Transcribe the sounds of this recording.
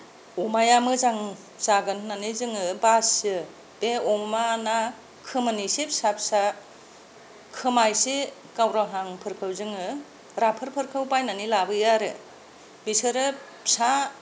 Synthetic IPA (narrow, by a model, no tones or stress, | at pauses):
ɔmajamɯzaŋ | zaɡɯnːanizɯŋɯbasɯ | b̥eɔmana | kʰɯmanisepsapsa | kʰɯmajse | kawɾaɦaŋpʰɯɾkʰɯwzɯŋɯ | ɾapʰɯɾpʰɯɾkʰɯwbajnanilabɯjaɾɯ | bisɯɾɯ | sa